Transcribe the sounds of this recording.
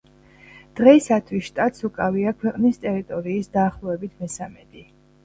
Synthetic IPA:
d̪̥ʁɛisat̪ʰwisʃt̪ʼat̪ʼsukʼaviakʰwɛqʼnist̪ʼɛɾit̪ʼɔɾiːsd̪aːχlˠɔɛbit̪ʰmɛsamɛd̪i

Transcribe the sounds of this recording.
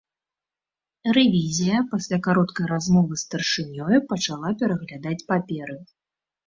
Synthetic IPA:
rɛvʲizʲijɐpasʲlʲakaɾɔt̪kɐjɾazmɔvɨst̪ɐrʂɨnʲɔjupɐt͡ʂalˠapʲɛɾɐɣlʲad̪at͡sʲpapʲɛɾɨ

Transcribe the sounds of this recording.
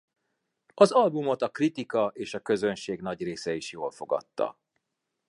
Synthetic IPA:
ɒzɒlbumo̞t̪ɒkrit̪ikɒʔeːʃɒkø̞zø̞nʃeːɡnɒɟreːsɛiʃjoːlfo̞ɡɒ̰t̪ːɒ̰

